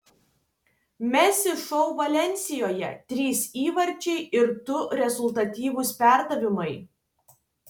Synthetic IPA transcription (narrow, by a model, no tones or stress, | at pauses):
mʲɛsʲɪʃɔʊʋɐlʲɛnʲsʲɪjoːjɛ̰t̪ʲɾʲiːsiːʋɐɾʲt͡ʃʲɛɪɪɾt̪ʊɾʲɛzʊlˠt̪ɐt̪ʲiːʋʊspʲæˑɾd̪ɐʋʲɪmɐɪ